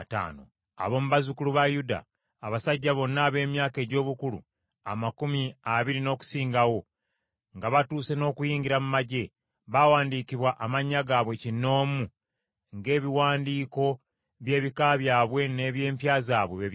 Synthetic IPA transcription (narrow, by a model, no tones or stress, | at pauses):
ta̰ːno̰ | a̰βo̞muβazukuluβajuda̰ː | βasaɟːaβo̞nːaːβe̞ːmjaːke̞ːɟo̞ːβukulṵ | a̰makumiaβiɾino̞ːku̥siːŋɡawo̞ | ŋɡaβatuːse̞no̞ːkujiːɲɡiɾamumaɟe̞ | βawaːndiːkiβwaʔamaɲːaɡaːβwe̞cinːo̞ːmu | ŋɡe̞ːβiwaːndiːko̞ | βje̞ːβikaβjaːβwe̞ne̞βje̞ːmpjaːzaːβweβeβ